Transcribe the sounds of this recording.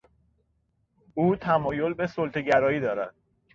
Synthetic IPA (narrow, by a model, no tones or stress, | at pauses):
uːt̪ʰæmɒːjo̞lbe̞solt̪ʰeɟæɾɒːiːd̪ɒːɾæ̰d̪̥